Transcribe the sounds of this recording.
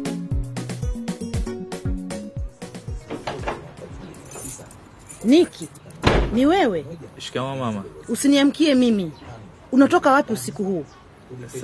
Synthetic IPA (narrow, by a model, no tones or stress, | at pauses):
nikʰi | niwɛwɛʃkamamamausiniam̩kiɛmimi | unatɔkawapiusikuhuː